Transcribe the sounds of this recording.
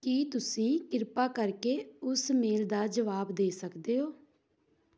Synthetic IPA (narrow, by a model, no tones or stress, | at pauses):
kiːt̪ʊsĩːkɪɾpaːkəɾkeːʊsmeːld̪aːd͡ʒəʋaːbd̪eːsəkd̪eːɦoː